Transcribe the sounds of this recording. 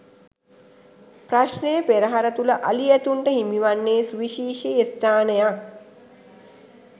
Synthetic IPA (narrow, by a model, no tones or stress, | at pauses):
pɾaʃnejəpeɾəɦaɾət̪uləʔaliæt̪uɳʈəɦimiʋanːeːsʋiʃiːʃeest̪ʰaːnəjak